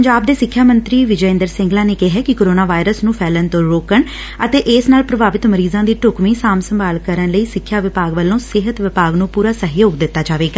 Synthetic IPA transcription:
əɲd͡ʒaːb̚d̪eːsɪkʰːjaːmənt̪ɾiːʋɪd͡ʒəɪ̃ːnd̪əɾsɪ̃ŋɡlãːneːkeɦɛːkɪkoːɾoːnaːʋaːɪɾəsnũːpʰɛːlənt̪õːɾoːkəɳ | ət̪eːʔɪːsnaːlpɾəbʱaːʋɪt̪məɾiːzãːd̪iːʈʊkmĩːsaːmsəmbaːlkəɾənləiːsɪkʰːjaːʋɪpaːɡʋəlːõːsɪɦət̪ʋɪpaːɡnũːpuːɾaːsəɦjoːɡd̪ɪt̪ːaːd͡ʒaːʋeːɡaː

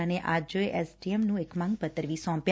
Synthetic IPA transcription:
əneʔad͡ʒoeʔɛsʈiemnũekmãŋɡpət̪ːəɾʋisɔ̃mpj

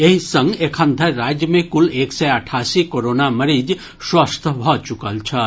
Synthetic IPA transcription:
eɦisə̃ŋɡekʰə̃nd̪ʱəɾad͡ʒjəmẽkuleksɛəʈʰasikoɾonaməɾid͡ʒ | swəst̪ʰbʱɔt͡ʃukəlt͡ʃʰə

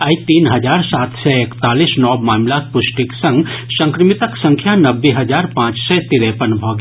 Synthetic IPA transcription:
ɐit̪iːnɦɐd͡ʒaːɾsaːt̪ʰsɛekt̪aːliːsnɔːmaːmlaːk̚pʊʃʈɪksɐ̃ŋɡsɐ̃ŋkɾɪmɪt̪əksɐ̃ŋkʰjanɐbːiɦɐd͡ʒaːɾpãːt͡ʃsɛt̪iɾẽpənbʱɔːɡ

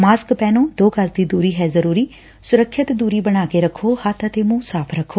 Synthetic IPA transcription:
maːskpɛːnõːd̪oːkəsd̪iːd̪uːɾiːɦɛːzəɾuːɾiː | sʊɾəkʰːət̪d̪uːɾiːbəɽ̃aːkeːɾəkʰːoːhət̪ʰət̪eːmũːsaːpʰɾəkʰːoː

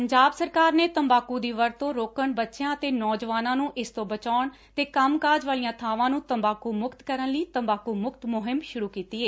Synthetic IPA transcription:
pəɲd͡ʒaːbsəɾkaːɾneːt̪əmbaːkuːd̪iːʋəɾt̪õːɾoːkəɳbətːʃjãːət̪eːnɔːd͡ʒʋaːnãːnũːʔɪst̪õːbət͡ʃaːɳ | t̪eːkəmkaːd͡ʒʋaːlijãːt̪ʰaːʋãːnũːt̪əmbaːkuːmʊkt̪kəɾənləiːt̪əmbaːkuːmʊkt̪mʊɦɪmʃʊɾuːkiːt̪iːeː

